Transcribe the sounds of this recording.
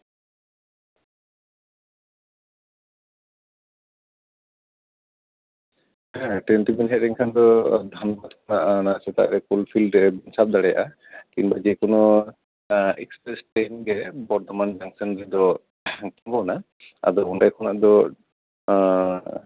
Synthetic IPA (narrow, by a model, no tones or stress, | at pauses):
ɦɛ̃ʈenʈibinɦɛʔ̚ɾiŋkʰand̪ɔd̪ʱanbat̪kʰɔnaʔnasɛt̪a̰ʔa̰ɾɛkulpʰilɖɛbinsap̚d̪aɽɛja̰ʔa | kinbad͡ʒɛkɔnɔ | ɛkspɾɛsʈɛnɡɛbɔɾt̪ʰɔmand͡ʒaŋsɔnd͡ʒɛd̪ɔ | kimbɔna | a̰d̪ɔunʈajkʰɔnaʔd̪ɔ